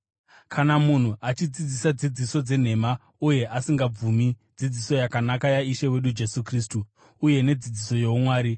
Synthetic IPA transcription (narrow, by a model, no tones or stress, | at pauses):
kʰanamun̤uat͡ʃid͡zid͡zisad͡zid͡ziso̞d͡ze̞n̤e̞ma | uje̞ʔasiŋɡab͡vumi | d͡zid͡ziso̞jakanakajaiʃe̞we̞ɗud͡ʒe̞sukristuː | je̞ne̞d͡zid͡ziso̞jo̞umwaːɾi